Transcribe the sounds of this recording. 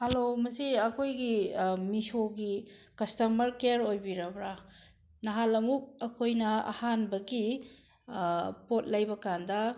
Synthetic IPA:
hɐlomɐsiɐkʰojɡimisoɡikɐstɐmɐɾkeɾojbiɾɐbɾa | nɐɦalɐmup̚ɐkʰojnɐɐ̰hanbɐɡi | pot̚lɐjbɐkandɐ

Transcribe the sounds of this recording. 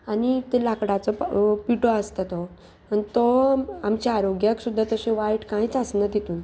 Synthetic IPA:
anit̪elakɽat͡sɔpiʈoast̪at̪ɔ | anit̪ɔamt͡ɕeaɾoɡjəksud̪ʱːat̪əɕẽʋajʈkãjit͡sasnəd̪et̪uːn

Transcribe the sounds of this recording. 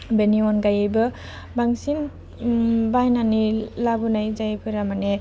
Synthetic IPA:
beniɔnɡajejbɯ | baŋsin | bajnanilabunajzajpʰɯɾamane

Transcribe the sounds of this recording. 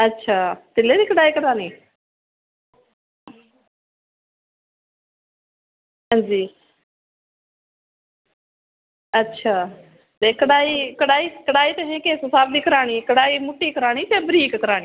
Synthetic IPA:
ətːʃʰaːt̪ɪleːd̪iːkəɽaːiːkəɽaːɽ̃iː | ɦãːd͡ʒiː | ətːʃʰaː | t̪eːkəɽaːiːkəɽaːiːkəɽaːiːt̪eɦẽːkeːsosaːbd̪iːkəɾaːɽ̃iːkəɽaːiːmʊʈːiːkəɾaːɽ̃iːt̪eːbəɾiːkkəɾaːɽiː

